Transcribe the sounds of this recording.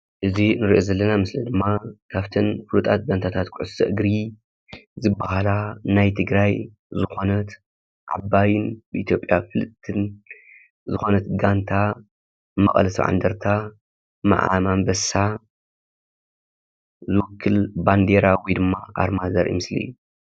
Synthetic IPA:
ʔɨzinɨɾiʔo̞zɐlːɐnamɨslɐd̪ɨmːakʰaβt̪ʰɐnfɨlut̪ʼat̪̚ɡant̪ʰat̪ʰat̪kʰʊʕʊsɐ̰ʔɨɡɾi | zɨbːahalanajt̪ʰɨɡɾaj | zɨxo̞nɐt̪ | ʕa̰bajɪnbɨʔit̪ʰjo̞pʼjafɨlɨt̪ʰːɨn | zɨxo̞nɐt̪ɡant̪ʰa | mɐ̰χʼɐ̰lɐsɐβʕa̰nd̪ɐɾt̪ʰa | ma̰ʕa̰mambɐsa | zɨwʊkʰːɨlband̪eɾawid̪ɨmːaʔa̰ɾmad̪ɐɾʔḭmɨslḭjːu

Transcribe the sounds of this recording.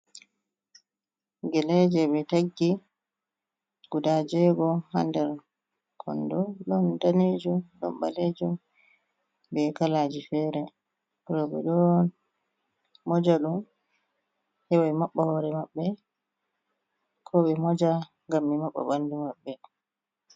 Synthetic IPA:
ɡɛlɛd͡ʒɛɓɛtaɡːi | ɡ̥udad͡ʒɛɡɔha̰ndɛɾ | kʰɔ̰ndɔɗɔndaneːd͡ʒuɗɔ̰mɓa̰led͡ʒum | bɛkalaːd͡ʒifɛɾɛ | ɾɔɓɛ̰ɗɔn | mɔd͡ʒaɗum | hɛwajmaɓːahɔɾɛmaɓːɛ | kʰɔɓɛmɔd͡ʒa | ŋɡambɛmaɓːa̰ɓandumaɓːɛ

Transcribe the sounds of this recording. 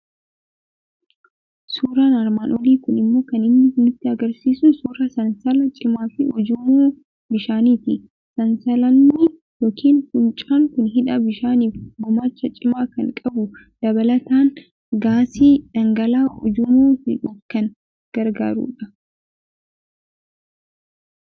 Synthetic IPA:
suːɾaːnɐɾmaːnʔɔliːkʊnɪmːo̞ːkɐnɪmːɪhʊnɪt̪ːɪɐɡɐɾsiːsʊnsuːɾɐsɐnsɐlɐt͡ʃʼɪmaːfɪɔd͡ʒʊmoː | bɪʃaːniːt̪ɪ | sɐnsɐlɐnːɪ | joːkʰiːnfʊnt͡ʃʼaːŋkʊnɦɪᶑɐbɪʃaːniːfɡʊmaːt͡ʃːɐt͡ʃʼɪmaːkɐŋkʼɐbʊ | d̪̥ɐbɐlɐt̪aːn | ɡaːsiːᶑɐŋɡɐlaːɔ̰d͡ʒʊmoːhɪᶑʊkɐn | ɡ̥ɐɾɡa̰ːɾṵːᶑɐ

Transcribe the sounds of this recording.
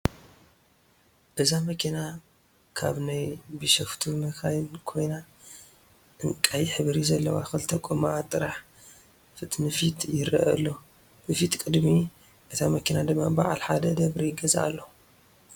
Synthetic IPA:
ʔɨzamɐkʰina | kʰa̰βnajbɨʃɐft̪ʰumɐkʰajɪnkʰo̞jna | ʔɨŋkʼajħɨβɾizɐlːɐwaxɨlt̪ʰɐkʼomat̪ʼɨɾaħ | fɨt̪ʼnɨfit̪ʰjɪɾɐ̰ʔɐ̰lːo | b̥ɨfit̪kʼɨd̪mi | ʔɨt̪ʰamɐkʰinad̪ɨmːaba̰ʕalħad̪ɐd̪ɐβɾijɪɡɐza̰ʔa̰lːɐ

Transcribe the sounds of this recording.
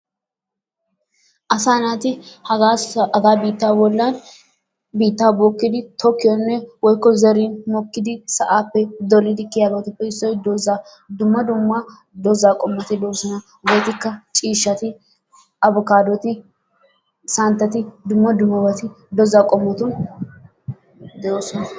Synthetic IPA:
ʔɐsaːnaːt̪ɪhɐɐɡaːbiːt̪ːaːbɔlːaːn | biːt̪ːaːbɔkːɪd̪ɪt̪ʰɔkːɪjɔnːɛwɔjkːɔzɛɾinmɔkːɪd̪ɪsɐʔaːpːɛd̪ɔlːɪd̪ɪkːɪjaːɡoːt̪ɪpːɛɪsːɔjd̪ɔza | d̪ʊmːɐd̪ʊmːa | d̪ɔzaːkʼɔmːɐt̪ɪd̪oːsɔnɐ | wɔjt̪ɪkːɐt͡ʃʼiːʃːɐt̪ɪ | ɐbʊkaːd̪ɔt̪ɪ | sɐnt̪ːɐt̪ɪd̪ʊmːɐd̪ʊmːɐbɐt̪ɪ | d̪ɔzaːkʼɔmːɐt̪ʊn | d̪oːsɔnɐ

